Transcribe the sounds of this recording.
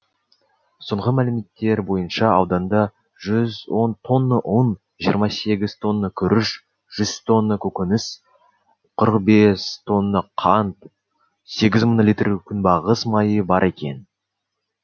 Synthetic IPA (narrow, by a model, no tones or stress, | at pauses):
soɴʁəmælɪme̞t̪ːe̞ɾbo̞jənʃɑɑwd̪ɑnd̪ɑ | ʒʏzwo̞nt̪ʰo̞nːəʔon | ʒijəɾmɑse̞ɡʲɪz̥t̪ʰo̞nːəkʲʰʏɾʔɪʃ | ʒ̥ʏz̥t̪ʰo̞nːəkʲʰɵkʲɪnɪs | qʰəɾəq̚be̞st̪ʰo̞nːəqʰɑnt̪ | se̞ɡʲɪzmənolʲijt̪rkʲʰʏnbɑʁəsmɑjəbɑɾʔe̞kʲe̞̰n